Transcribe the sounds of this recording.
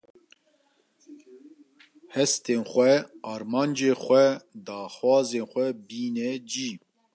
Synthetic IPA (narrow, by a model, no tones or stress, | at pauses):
hɛst̪eːnxʷɛɑːɾmɑːnd͡ʒeːxʷɛd̪ɑːxwɑːzeːnxʷɛbiːnɛd͡ʒiː